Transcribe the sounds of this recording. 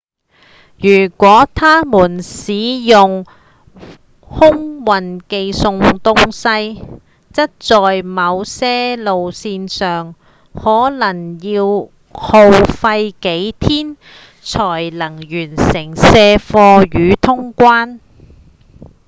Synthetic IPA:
jyː˨˩kʷɔː˨˥t̪ʰaː˥muː˨˩nsiː˨˧˥jʊ˨ŋ | hʊ˥ŋwɐ˨nke˧jsʊ˧ŋt̪ʊ˥ŋsɐ˧j | t͡sɐ˥t̚t͡sɔː˨jmɐ˨˧wsɛː˥lo˨wsiː˧nsœː˨ŋ | hɔː˨˥lɐ˨˩ŋjiː˧w | ho˧wfɐ˧jke˨˥jt̪ʰiː˥n | t͡sʰɔː˨˩jlɐ˨˩ŋjyː˨˩nsɪ˨˩ŋsɛː˧fɔː˧jyː˨˧˥t̪ʰʊ˥ŋkʷaː˥n

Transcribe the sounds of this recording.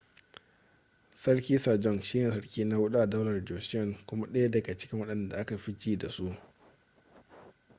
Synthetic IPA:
sɐ˦ɽkʲiː˦sa˨d͡ʒɔ˦ŋʃi˦jɛ˨sɐ˦ɽkʲiː˦na˦wʊ˦ɗu˦ʔa˨dɔ˦lɐ˨rd͡ʒɔ˨sɪ˦jɔ˨ŋkʷʊ˦ma˦ɗɐ˦ja˦dɐ˨ɡa˨t͡ʃɪ̥˦kʲɪ˦ŋwɐ˦ɗɐ˨nda̰˨ʔa˦ka˨ɸi˦d͡ʒiː˦da˨su˦ʔ

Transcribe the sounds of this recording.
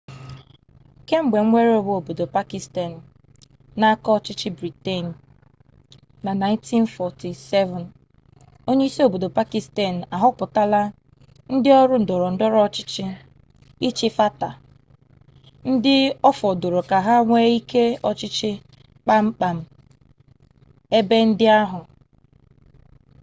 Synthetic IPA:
ke˦ŋ͡m̩˦ɡ͡be˨ŋ̩ʷ˦e˦ɾe˦o˦bo˦o˨bo˨do˨pa˦ki˨sta˨n̩˨ | na˦kɔ˦t͡ʃɪ˦t͡ʃɪ˦bɾi˨te˦˨n̩˨ | na˨na˨ɪ̃˦ntʰi˦nfɔ˨ti˨sɛ˦vɔ˨n | o˦ɲe˦i˦si˦o˦˨bo˨do˨pa˦ki˨˦sta˨n̩˨a˨ɦʊ˦pʊ˨ta˦la˦ | n̩˦dɪ˦ɔ˦ɾʊ˦n̩˨dɔ˨ɾɔ˨n̩˨dɔ˦ɾɔ˦t͡ʃɪ̥˦t͡ʃɪ˦ | i˦t͡ʃɪ˦fa˦ta˨ | n̩˦dɪ˦ɔ˦fɔ˨do˨ɾo˨ka˨ɦa˦ŋʷe˦i˦ke˦ɔ˦t͡ʃɪ˦t͡ʃɪ˦ | k͡pa˦ŋ͡m̩˦k͡pa˨m̩˦ | e˦be˦n̩˦dɪ˦a˦ɦʊ˨

